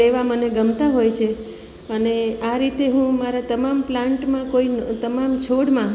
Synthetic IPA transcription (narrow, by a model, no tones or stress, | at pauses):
eʋaməneɡəmt̪aɦojt͡ʃʰe | əneaɾit̪eɦũmaɾat̪əmamplãɳʈmãkoint̪əmamt͡ʃʰoɽmã